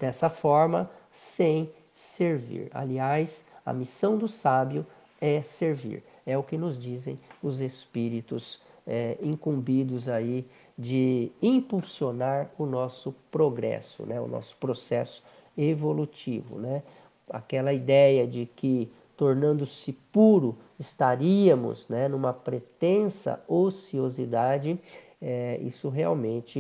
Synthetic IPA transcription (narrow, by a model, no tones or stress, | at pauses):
d̪̥ɛsɐfɔɾmɐsẽj̃ | seɾvḭɾa̰liajsɐ̰misɐ̃w̃d̪ʊsabjʊ | ɛseɾvḭɾ | ɛʊkɪnʊzd͡ʒizḛ̃j̃ʊzespiɾit̪ʊz | ɛĩkũmbid̪ʊzai | d͡ʒɪĩpuwsionaɾʊnɔsʊpɾoɡɾɛ̰sʊ̰nɛʊ̰nɔ̰sʊ̥pɾosɛsʊ̥ | evolut͡ʃivʊ̰nɛ | a̰kɛlɐid̪ɛjɐd͡ʒɪkɪ | t̪oɾnɐ̃nd̪ʊsɪpuɾʊ | ɪst̪aɾiɐmʊ̰znɛnũmɐpɾet̪ẽsɐ̰osiozid̪ad͡ʒɪ | ɛḭsʊɦea̰wmẽnt͡ʃɪ